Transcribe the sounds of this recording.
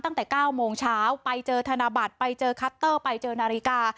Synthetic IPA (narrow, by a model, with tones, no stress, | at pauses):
t̪a˥˩ŋt̪ɛː˨˩kaː˥˩wmoː˧ŋt͡ɕʰaː˦˥wpa˧jt͡ɕɤː˧t̪ʰa˧naː˧ba˨˩t̪̚pa˧jt͡ɕɤː˧kʰa˦˥t̪ːɤː˥˩pa˧jt͡ɕɤː˧naː˧ɾi˦˥kaː˧